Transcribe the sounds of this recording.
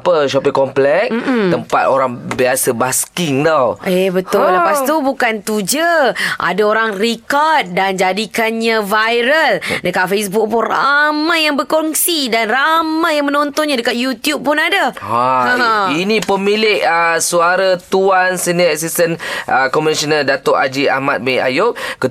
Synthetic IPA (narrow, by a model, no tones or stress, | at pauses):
apəʃɔpɪŋkɔmplɛk̚m̩m̩t̪əmpat̪oɾaŋbiasəbaskiŋt̪awebət̪ʊlːəpast̪ubukant̪ud͡ʒəʔa̰daoɾaŋrikɔrt̪̚dand͡ʒadikanɲãvajɾəldəkat̪̚fesbuk̚pʊnra̰majaŋbəkɔŋsidanramajjaŋmə̃nɔnt̪ɔnɲãdəkat̪̚jut̪jub̚pʊnadaha | inĩpəmilɪʔəsuaɾat̪uansənəɛsist̪ənʔəkɔmisənədat̪oʔad͡ʒia̰mat̪̚mea̰joʔkə